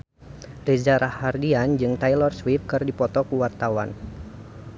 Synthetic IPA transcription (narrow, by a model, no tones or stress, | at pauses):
rizaɾʔahardiand͡ʒɨŋt̪ajlɔrswif̚kɨrdipɔt̪ɔkuwart̪awa̰n